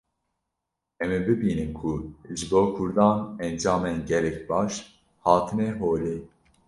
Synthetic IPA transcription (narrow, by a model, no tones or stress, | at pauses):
ɛmibɨbiːnɨmkʰuʒɨboːkʰʊɾd̪ɑːnɛnd͡ʒɑːmenɟɛlɛcbɑːʃ | hɑːt̪ʰɨnɛɦoːleː